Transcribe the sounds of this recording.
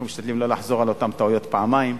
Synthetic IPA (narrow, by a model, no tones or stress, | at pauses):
miʃt̪ad̪limlo̞laħzo̞ʁalo̞t̪amt̪aujo̞t̪paʕamaim